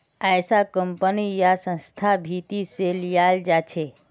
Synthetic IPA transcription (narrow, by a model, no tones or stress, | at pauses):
ajsakəmpənijasə̃nst̪ʰabʱit̪iselijald͡ʒat͡ʃʰe